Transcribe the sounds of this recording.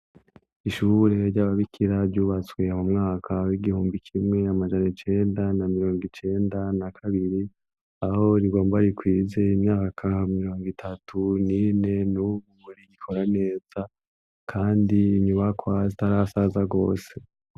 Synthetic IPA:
iʃuɾe̞ɾɟaːβaβikʰiɾabɟuːβat͡swe̞amumŋaːkʰawiɡihuːmbikʰimŋe̞amad͡ʒanat͡ʃe̞ːndanamiɾo̞ːŋɡit͡ʃe̞ːndanakʰaβiɾi | aho̞ɾiɡo̞ːmbaɾikwiːze̞imɲaːkʰamiɾo̞ːŋɡitʰatʰunine̞nuβuoniɡikʰo̞ɾane̞ːz̥a | kʰaːndiɲuβakʰwazitaɾasazaɡo̞̰ːse̞

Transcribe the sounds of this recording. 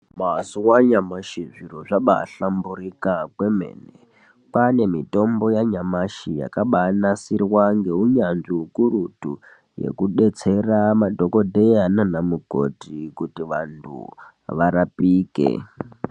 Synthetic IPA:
masuwaɲamaʃiʐiroʐaɓa̰ɬambuɾikakwe̞me̞̰ne | pane̞mito̞mbo̞jaɲamaʃija̰kaɓanasirwaŋɡe̞uɲanʐiukuɾutu | jḛkuɗe̞t͡se̞ramadʱo̞ko̞dʱejananamuɡʱo̞̰tikutiʋantʰṵ | ʋaɾapiːkḛ

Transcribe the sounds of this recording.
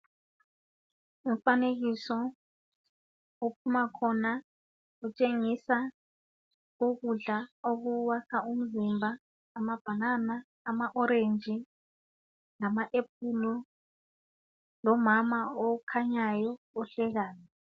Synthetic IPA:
um̩faneɣisɔ | upʰumakʰɔna | ut͡ʃʼeŋisa | uɣuɮaoɣuwakʰaum̩zimbʱaː | mab̥ʱananaː | maʔɔɾend͡ʒʱi | lamaʔep̚ʰulɔ | lɔmamaɔkʰaɲajɔ | ɔɬɛɣaːnɛ

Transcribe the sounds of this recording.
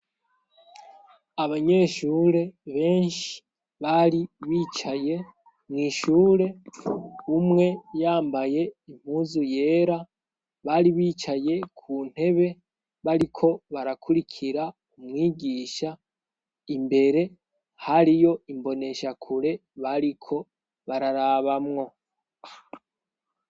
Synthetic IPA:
aβaɲe̞ːʃuːɾe̞βe̞ːnʃi̥ | βaɾiβiːt͡ʃaje̞ | mŋiːʃuːɾe̞ | umŋe̞jaːmbaje̞im̥huːzuje̞ːɾa | βaɾiβiːt͡ʃaje̞kʰuːn̥he̞βe̞ | βaɾikʰo̞βaɾakʰuɾikʰiɾa | umŋiːɟiːʃa | imbe̞ɾe̞ | haɾijo̞imbo̞ne̞ʃakʰuɾe̞βaɾikʰo̞ | βaɾaɾaːβamŋo̞

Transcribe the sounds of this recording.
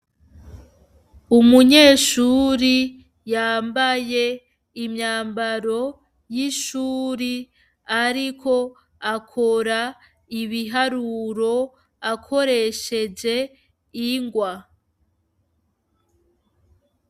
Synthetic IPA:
umuɲe̞ːʃuːɾi | jaːmbaje̞ | imɲaːmbaɾo̞ | jiʃuːɾi | aɾikʰo̞ | akʰo̞ɾa | iβiɦaɾuːɾo̞ | akʰo̞ɾe̞ʃe̞d͡ʒe̞ | iŋɡwa

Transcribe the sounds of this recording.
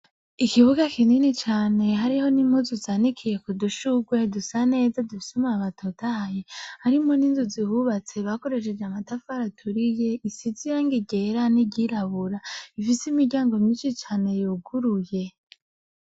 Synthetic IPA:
ikiβuɡakʰininit͡ʃaːne̞ɦaɾiho̞nimuzuzaːnikʰije̞kuduʃuɡwe̞dusane̞ːzadufisumaaβatʰotʰaajehaɾimo̞ninzuzihuβat͡se̞βako̞ɾe̞ʃe̞d͡ʒeamatafaɾatʰuɾije̞isit͡sijaːŋɡiɟe̞ɾaniɟiɾaβuɾaifisimiɟaːŋɡo̞miːʃit͡ʃaːne̞joɡuɾuje̞

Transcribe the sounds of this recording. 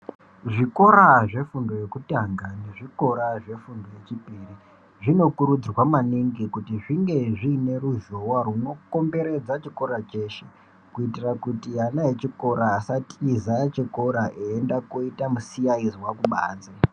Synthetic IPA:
ʐiko̞ɾaʐe̞fundo̞je̞kutaŋɡane̞ʐiko̞ɾaʐe̞fundo̞je̞t͡ʃipiri | ʐino̞kuɾud͡zrwamaniŋɡikutiʐiŋɡe̞ʐiːne̞ɾuʒowaruno̞ko̞mbe̞ɾe̞d͡zat͡ʃiko̞ɾat͡ʃe̞ːʃe | kuitirakutijanajet͡ʃiko̞ɾaːsatizat͡ʃiko̞ɾaʔeendakoitamusijaiziwakuɓa̰ːnd͡ze

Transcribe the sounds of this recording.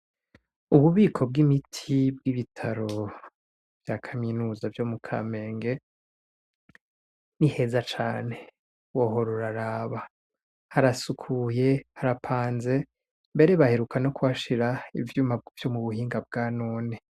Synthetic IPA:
uβuβiːkʰo̞b̚ɡimitʰib̚ɡiβitʰaɾo̞ | vjaːkʰaminuːzavjo̞mukʰa̰ːme̞ːŋɡe̞ | nihe̞zat͡ʃaːne̞ | woho̞ɾoɾaɾaːβa | haɾasukʰuje̞haɾapʰaːnze̞ | mbe̞ɾeβahe̞ɾukʰano̞kuwaʃiɾaḭvjuːmab̚ɡv̥jo̞muβuhiːŋɡab̚ɡanoːne

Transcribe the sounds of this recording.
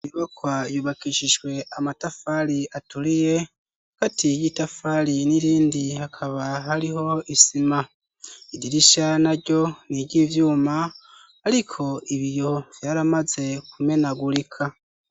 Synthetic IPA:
iβakwajuβakiʃiʒɡwe̞amatafaɾiatuɾije̞ | katijitafaɾiniɾiːndihakʰaβaɦaɾiho̞isima | idiɾiʃanaɾɟo̞niɾɟivjuːma | aɾikʰo̞iβijo̞v̥jaːɾamaze̞kume̞naɡuɾikʰa

